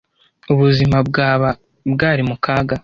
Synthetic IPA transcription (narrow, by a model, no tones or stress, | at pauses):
uβuzimab̚ɡaːβa | bɡaːɾimukaːɡa